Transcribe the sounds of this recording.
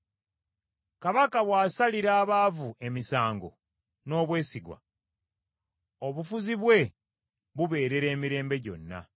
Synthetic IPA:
kaβakaβwaːsaliɾaːβaːvuʔe̞misaːŋɡo̞̰ | no̞ːβwe̞ːsiɡwa̰ | oβufuziβwe̞ | βuβe̞ːɾe̞ɾe̞ːmiɾe̞ːmbe̞ɟo̞̰nːa̰

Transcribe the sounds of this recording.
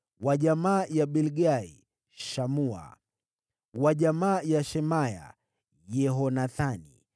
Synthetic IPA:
waʄamaːjaɓilɡaḭ | ʃamua̰ | waʄamaːjaʃɛmaja̰ | jɛɦɔnaθanḭ

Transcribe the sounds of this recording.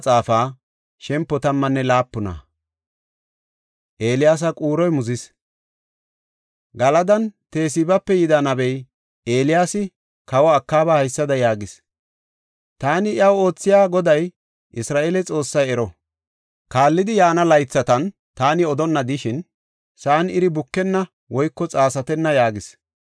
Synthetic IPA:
t͡sʼaːfaː | ʃɛmpːɔt̪ɐmːɐnːɛlaːpːʊnɐ̰ | ʔe̞ːlɪjaːs̬ɐkʼuːɾɔjmʊzɪs | ɡɐlɐd̪ɐnt̪e̞ːs̬ɪbɐpːɛjɪd̪ɐnɐbɛj | ʔe̞ːlɪjaːsɪ | kɐwɔɐkːaːbahɐjsːɐd̪ɐjaːɡɪs | t̪aːnɪʔjɐwo̞ːt͡sːɪjaːɡɔd̪ɐj | ʔɪsɾaːʔeːlɛt͡sʼo̞ːsːɐjɛɾɔ | kaːlːɪd̪ɪjaːnɐlɐjt͡sːɐt̪ɐn | t̪aːnɪɔd̪ɔnːɐd̪ɪʃɪn | saːnɪɾɪbʊkːɛnːɐ | wɔjkːɔt͡sʼaːsɐt̪ɛnːɐjaːɡɪs

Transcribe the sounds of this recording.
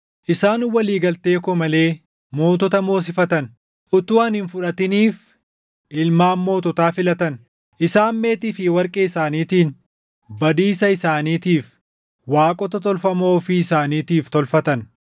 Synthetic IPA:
ʔɪsaːnwɐliːɡɐlt̪e̞ːkɔmɐle̞ː | mo̞ːt̪̬ɔt̪ɐmo̞ːs̬ɪfɐt̪ɐn | ʔʊt̪ʊwɐnhɪnfʊᶑɐt̪ɪniːf | ʔɪlmaːmːo̞ːt̪ɔt̪aːfɪlɐt̪ɐn | ʔɪsaːmːe̞ːt̪ɪːfɪwɐɾkʼeːɪsaːniːt̪iːn | bɐd̪iːsɐɪsaːniːt̪iːf | waːkʼɔt̪ɐt̪ɔlfɐmo̞ːfɪːsaːniːt̪iːft̪ɔlfɐt̪ɐn

